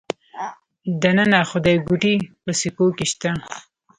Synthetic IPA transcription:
d̪anənaxʊd̪ajɡuʈipəsikokeʃt̪a

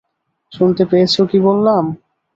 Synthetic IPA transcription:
ʃunt̪epeet͡ɕʰokibolːam

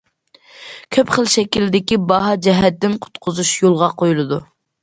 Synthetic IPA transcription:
kʲʰøpχəlˠʃɛkʲilɪd̪ɪkʲibɑɦɑd͡ʒɛɦɛt̪ːɪnqʰʊ̥t̪qʰʊzuʃjolˠʁɑqʰojulˠɨd̪u

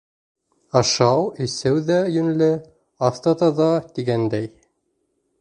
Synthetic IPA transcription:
ɑʃɑwĭsɘwðæjɵ̆nlɘ | ɑft̪ɑt̪ɑðɑt̪iɡænd̪æj

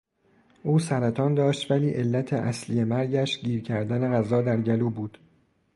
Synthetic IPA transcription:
ʔuːsæɾæt̪ʰɒːnd̪ɒːʃt̪væliːʔe̞lːæt̪ʰeʔæslijemæɾɟæʃɟiːɾcʰæɾd̪æne̞ɣæzɒːd̪æɾɟæluːbuːd̪̥

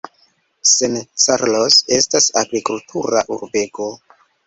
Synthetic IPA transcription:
sent͡saɾlose̞stasaɡɾikultʰuɾaʔuɾbe̞ko̞

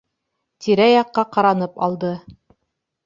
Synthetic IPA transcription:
t̪iɾæjɑqːɑqɑɾɑnɤpɑ̰lˠd̪ɤ

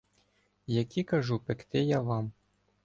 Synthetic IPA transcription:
jɐkʲikɐʒupekt̪ɪjaʋɑm

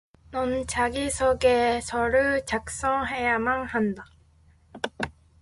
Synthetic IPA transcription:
nʌnt͡ɕaɡisʰʌɡesʰʌɾɯɭt͡ɕak̚s͈ʌŋɦe̞jamanhanda

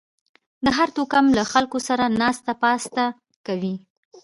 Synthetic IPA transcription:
d̪əɦaɾt̪okamlaxalkosaɾanɑst̪apɑst̪a | kawi

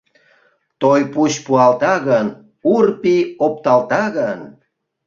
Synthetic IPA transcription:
t̪ojpuɕpuɑlt̪ɑɣən | urpiop̚t̪ɑlt̪ɑɣən

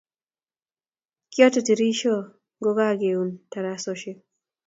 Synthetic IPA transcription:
kiɔtɔtiɾiʃɔ | ɡɔɡaɡeuntaɾasɔʃe

